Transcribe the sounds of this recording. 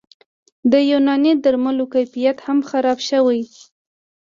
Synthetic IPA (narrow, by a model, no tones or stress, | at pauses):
d̪əjunɑnid̪aɾmalokajfijat̪hamxaɾɑbʃəwaj